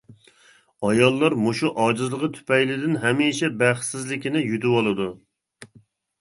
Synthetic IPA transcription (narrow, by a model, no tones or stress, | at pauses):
ɑjɑlˠːɑɾmoʃuʔɑːd͡ʒɨzlˠəʁət̪ʰy̥pɛjlɪd̪ɪnɦɛmiʃɛbæχsɪzlɪkʲinɪjyt̪ɪwolˠɨd̪u